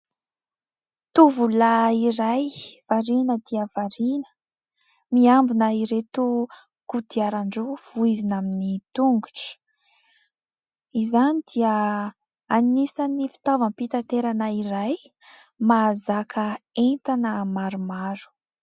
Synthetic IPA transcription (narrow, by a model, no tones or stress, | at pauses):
t̪uvulaiɾajv̥aɾinəd̪iəvaɾinə̥ | miambunəiɾet̪u | kud̪iaɾaɳɖ͡ʐuv̥uizinaminit̪uŋɡuʈ͡ʂə̥ | izanid̪̥iə | anisanifi̥t̪avəmpit̪at̪eɾanəiɾaj | mazakʰəent̪anəmaɾumaɾu̥